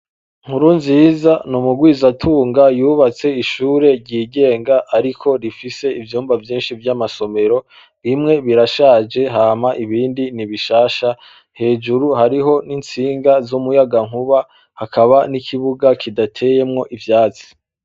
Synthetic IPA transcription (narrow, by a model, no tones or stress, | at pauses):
ŋ̥uɾunziːzanumuɡwiːzatʰuːŋɡajuːβat͡se̞iʃuːɾe̞ɾɟiːɡe̞ːŋɡaʔːɾikʰo̞ɾifise̞ivjuːmvavjiːnʃivjamaso̞me̞ɾo̞ | ɾimŋe̞βiɾaʃaːd͡ʒe̞ɦaːmaʔiβiːndiniβiʃaːʃa | he̞ːd͡ʒuɾuhaɾiɦo̞nint͡siːŋɡazumujaɡaŋ̥huβa | hakʰaβanikʰiβuɡakʰidatʰe̞je̞mŋo̞ʔivjaːt͡si̥